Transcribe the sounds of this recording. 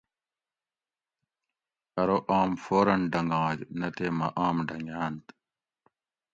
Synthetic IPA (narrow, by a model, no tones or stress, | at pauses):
ɐɾoʔaːmfoːɾɐnɖɐŋɡɑ̃ːd͡ʑnɐt̪eːmɐʔaːmɖɐŋjaːnt̪